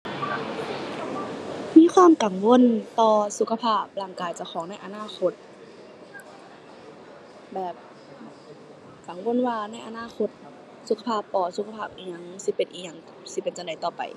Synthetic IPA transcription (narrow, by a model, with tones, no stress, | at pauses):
miː˧˥˨xʰwaː˧˥˨mka˨˩ŋwo˧˥˨nt̪ɔː˧su˧˥kʰa˧pʰaː˧˥˩p̚laː˧˩ŋkaː˨˩jt͡ɕa˧˩xɔː˨˦ŋna˧˥˨jʔa˨naː˧˥˨xʰo˧t̪̚ | bɛː˨˩p̚ | ka˨˦ŋwo˧˥˨nwaː˧na˧˥˩jʔa˨naː˧˥˨xʰo˧˥t̪̚ | su˧kʰa˧pʰaː˧˥˨pːɔː˧˩su˧˥kʰa˧pʰaː˧˩p̚ʔiː˨˧˩ɲa˧˨ŋsi˧˦pe˨nʔiː˨ɲa˧˨ŋka˧˩si˧˦pe˨nt͡ɕa˨nda˨˩jt̪ɔː˧˩pa̰˨˩j